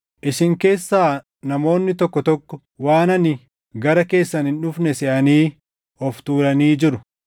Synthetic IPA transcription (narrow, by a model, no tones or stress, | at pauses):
ʔɪʃɪŋke̞ːsːaː | nɐmo̞ːnːɪt̪ɔkːɔt̪ɔkːɔ | waːnɐnɪ | ɡɐɾɐke̞ːsːɐnhɪnᶑʊfnɛsɛʔɐniː | ɔft̪uːɾɐniːd͡ʒɪɾʊ